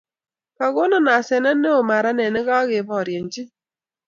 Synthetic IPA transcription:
ka˨ɣo˦nɔ˦na˨sɛ˨na˦ne˦o˨ma˨ɾa˦nɛ˨nɛ˦ɣa˦ɣɪ˨bɔ˦˨ɾjɛ˨n˦d͡ʒi˦

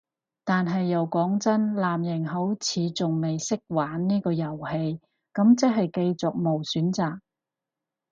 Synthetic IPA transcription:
t̪aː˨nɦɐ˨jːɐ˨˩wkɔː˨˥ŋt͡sɐ˥nlaː˨mjɪ˨˩ŋɦo˨˥wt͡sʰiː˨˧t͡sʊ˨ŋme˨jsɪ˥k̚waː˨˥nniː˥kɔː˧jɐ˨˩whe˧j | kɐ˨˥mt͡sɐ˥ɦɐ˨jke˧jt͡sʊ˨k̚mo˨˩wsyː˨˥nt͡saː˨k̚

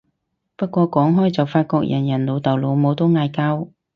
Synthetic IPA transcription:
pɐ˥t̚kʷɔː˧kɔː˨˥ŋɦɔː˥jt͡sɐ˨wfaː˧t̚kɔː˧k̚jʔɐ˨˩njɐ˨˩nlo˨˧wt̪ɐ˨˩wlo˨˧wmo˨˧wt̪o˥wŋaː˧jkaː˥w

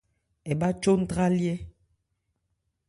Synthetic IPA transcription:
ɛ˨ba˦t͡ʃo˦n̩˦tɾa˦ljɛ˦

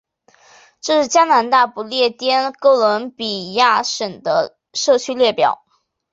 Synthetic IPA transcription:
ʈ͡ʂɤ˥˧ʂɻ̩˥˩t͡ɕja˥na˧˥nt̪a˥˩pu˨˩ljɛ˥˩t̪jɛ˥nko˥˩ʊlə˧˥npi˨˩ja˥˩ʂə˨˩ŋd̪ə˦ | ʂɤ˥˩t͡ɕʰy˥ljɛ˥˩pjɑ˨˩˦ʊ

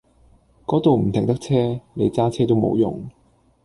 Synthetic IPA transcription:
kɔː˨˥t̪o˨wm̩˨˩t̪ʰɪ˨˩ŋt̪ɐ˥k̚t͡sʰɛː˥ne˨˧jt͡saː˥t͡sʰɛː˥t̪o˥wmo̰˨˧wjʊ̰˨ŋ

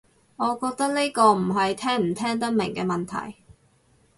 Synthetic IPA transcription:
ŋɔː˨˧kɔː˧k̚t̪ɐ˥k̚ne˥jkɔː˧m̩˨˩ɦɐ˨jt̪ʰɛː˥ŋm̩˨˩t̪ʰɛː˥ŋt̪̬ɐ˥t̚mɪ˨˩ŋkɛː˧mɐ˨nt̪ʰɐ̰˨˩j

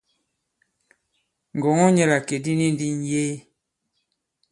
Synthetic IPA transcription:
ŋ˨ɡɔ˨ŋɔ˦ɲɛ˦˨la˨ke˨di˦ni˦n˦di˦n˦jeː˦

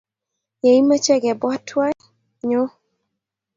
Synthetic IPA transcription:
je˨i˦ma˦t͡ʃɛ˦ɡɛ˨bɔ˦tʰwa˦ | ɲo˦

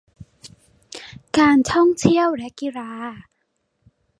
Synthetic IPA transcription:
kaː˧nt̪ʰɔ˥˩ŋt̪ʰi˥˩əwlɛ˦˥ki˧ɾaː˧

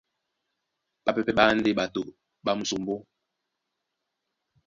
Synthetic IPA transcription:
ɓa˨pɛ˨pɛ˦ɓa˦n̩˦de˦ɓa˨to˨ʔ | ɓa˦m̩˨su˨m˦bo˦

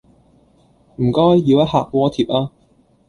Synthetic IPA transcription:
m̩˨˩kɔː˥jːiː˨˧wjɐ˥t̚haː˨k̚wɔː˧˥t̪ʰiː˨˩p̚ʔaː˧

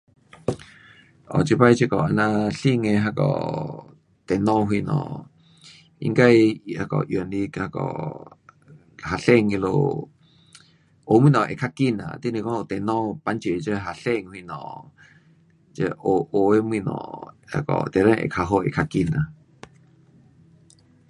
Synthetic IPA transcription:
ʔɔ̰˨t͡ʃi˧pa˧˦i˧˦t͡ʃə˧kɔ˨a˧nã˧ɬi˦ŋe˧ɦa˧kɔ̰˨ | t̪e˨nɔ̃˦ɦwi˧nɔ̰̃˨ | ḭ˧ŋka˧ji˨ʔha˧kɔ̰˨ʔjnli˧ha˧kɔ̰˨ | ha˨ɬe˦˨ŋi˧lo̰˨ | ʔo˨mĩ˦˨nɔ̃˨ʔe˨kʰa˧ki˦na̰˨t̪i˦˨nĩ˧kɔ̃˦o˧˨t̪e˨nɔ̃˦pa˧nt͡ʃe˨t͡ʃə˧ɦa˨ɬe˧˨ŋhwi˧˨nɔ̰̃˨ | t͡ʃə˧ʔo˨ʔo˨e˦mĩ˧˨nɔ̰̃˧˨ha̰˧kɔ̰˨t̪e˨ɾe˦˧ʔḛ˨kʰa˧ɦo˧ḛ˨kʰa˧ki˧na˨

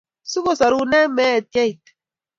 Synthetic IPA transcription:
su˦ko˦sa˨ɾu˦nɛ˦mɛ˦˨tjɛ˦i˨t

